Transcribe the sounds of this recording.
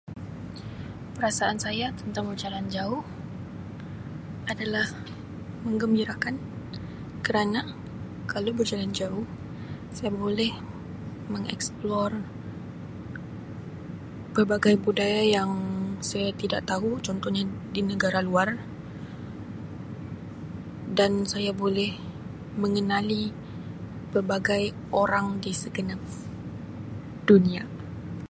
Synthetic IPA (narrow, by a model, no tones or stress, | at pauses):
pəɾasaʔansajat̪ənt̪aŋbərd͡ʒaland͡ʒaʊh | adalah | məŋɡəmbiɾakan | kəɾana | kalawbərd͡ʒaland͡ʒaʊh | sajabolɛh | məŋɛ̰ksplɔr | pərbaɡajbudajajaŋsajat̪idaʔt̪aɦut͡ʃɔnt̪ɔhɲadinəɡaɾaluar | dansajabolɛh | məŋənali | pərbaɡaj | oɾaŋdisəɡənap̚ | d̥unia